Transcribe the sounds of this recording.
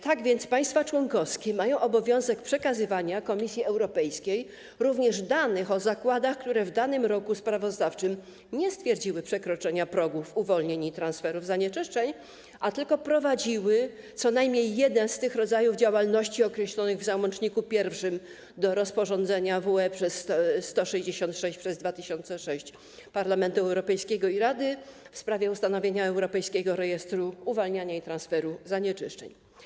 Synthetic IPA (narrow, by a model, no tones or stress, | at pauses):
t̪aɡvʲjɛnt̪spaj̃st̪fat͡ʂwɔŋkɔfskʲɛmajɔ̃w̃ʔɔbɔvʲjɔ̃w̃zɛkpʂɛkazɘvaɲakɔmʲisʲjiɛwɾɔpɛjskʲej | ɾuvɲɛʐd̪anɘxɔzakwad̪axkt̪uɾɛvd̪anɘmɾɔkuspɾavɔzd̪aft͡ʂɘm | ɲɛst̪fʲjɛɾd͡ʑiwɘpʂɛkɾɔt͡ʂɛɲapɾɔɡufuvɔlɲeɲit̪ɾansfɛɾuvzaɲɛt͡ʂɘʂt͡ʂɛɲ | ʔat̪ɘlkɔpɾɔvad͡ʑiwɘ | t̪sɔnajmɲejːɛd̪ɛnst̪ɘxɾɔd̪zajuvd͡ʑawalnɔɕt͡ɕiɔkɾɛɕlɔnɘɣvzawɔnt͡ʂɲikupʲjɛɾfʂɘm | d̪ɔɾɔspɔʐɔnd̪zɛɲavuɛpʂɛsːt̪ɔʂɛʑd͡ʑeɕɔnt̪ʂɛɕt͡ɕpʂɛzd̪vat̪ɘɕɔnt̪sɛʂɛɕt͡ɕ | paɾlamɛnt̪uɛwɾɔpɛjskʲɛɡɔiɾad̪ɘ | fspɾavʲjɛust̪anɔvʲjeɲaɛwɾɔpɛjskʲɛɡɔɾɛjɛst̪ɾuuvɔlɲaɲait̪ɾãnsfɛɾuzaɲɛt͡ʂɘʂt͡ʂɛ̰ɲ